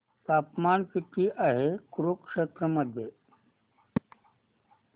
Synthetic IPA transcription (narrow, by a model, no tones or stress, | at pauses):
t̪aːpmankit̪iʔaɦekuɾukʂet̪ɾəməd̪ʱje